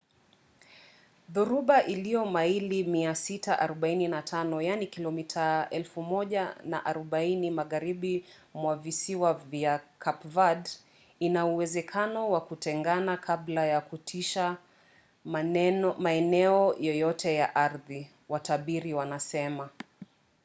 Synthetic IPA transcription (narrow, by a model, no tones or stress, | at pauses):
ðuɾuɓaʔilijɔmailimiasitaʔaɾɔɓaininatʰanɔjanikilɔmitʰaɛlfumɔʄana̰ʔaɾɔɓainimaɣaɾiɓi | mwavisiwavjakʰapvad | inauwɛzɛkʰanɔwakutɛŋɡanakʰablajakutʰiʃa | maɛnɛɔjɔjɔtʰɛjaʔaɾði | wataɓiɾiwanasɛma